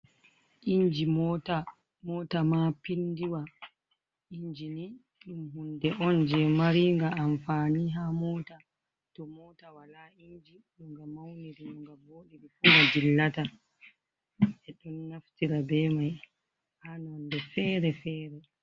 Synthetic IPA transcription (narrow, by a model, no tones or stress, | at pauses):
ʔiɲd͡ʒimɔta | mɔtamapindiwa | iɲd͡ʒini | ɗumhundɛʔɔnd͡ʒɛmaɾiŋɡaːnfaːniɦamɔːta | tɔmɔtawalaiɲd͡ʒi | ɗuŋɡamawniɾiɗuŋɡaboːɗiɾifuŋɡad͡ʒilːata | ɛɗɔnːaftiɾabɛmaj | hanandɛfɛɾɛfɛːɾɛ